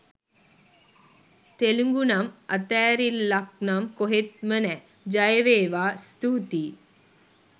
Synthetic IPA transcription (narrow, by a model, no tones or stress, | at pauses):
t̪eluŋɡunamat̪æːɾilːak̚namkoɦet̪̚mənɛ | d͡ʒajəʋeːʋaːst̪uːt̪iː